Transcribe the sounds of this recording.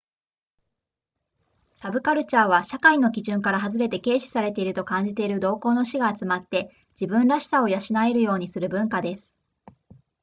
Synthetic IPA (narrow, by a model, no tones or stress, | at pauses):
sabɯ̟kaɾɯ̟t͡ɕaːβ̞aɕakaino̞kʲiʑɨ̃ŋkaɾaɦazɨɾe̞t̪e̞ke̞ːɕi̥saɾe̞t̪e̞iɾɯ̟t̪o̞kãɲ̟d͡ʑit̪e̞iɾɯ̟d̪o̞ːko̞ːno̞ɕiɡaːt͡sɨmat̪ːe̞ | d͡ʑibɯ̟̃nɾaɕi̥sao̞jaɕinaeɾɯ̟jo̞ːɲ̟isɨɾɯ̟bɯ̟̃ŋkad̪e̞sɨ̥